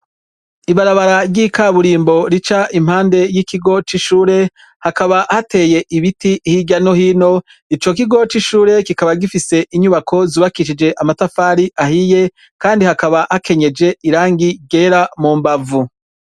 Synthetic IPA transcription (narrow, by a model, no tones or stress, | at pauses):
iβaɾaβaɾaɾɟikaβuɾiːmbo̞ɾit͡ʃaʔim̥haːnde̞jikiɡo̞t͡ʃiʃuːɾe̞ | hakaβahate̞je̞ʔiβitihiɟanohiːno̞ | it͡ʃo̞k̬iɡo̞t͡ʃiʃuːɾe̞kikaβaɡifise̞ʔiɲuβakʰo̞ziβakiʃ̬id͡ʒe̞ʔamatafaːɾiʔahije̞ | kaːndihakaβahakʰe̞ɲe̞d͡ʒe̞iɾaːŋɡiɡeɾamuːmbavu